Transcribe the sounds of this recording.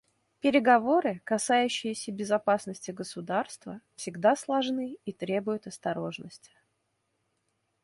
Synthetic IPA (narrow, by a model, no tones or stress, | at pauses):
pʲɪɾʲɪɡɐvo̞ɾɨkɐsajʉɕːɪjɪsʲəbʲɪzɐpasnəsʲtʲɪɡəsʊd̪arst̪və̰fsʲɪɡd̪aslˠɐʐnɨit̪ɾʲe̞bʊjʊt̪ɐst̪ɐɾo̞ʐnəsʲtʲɪ̥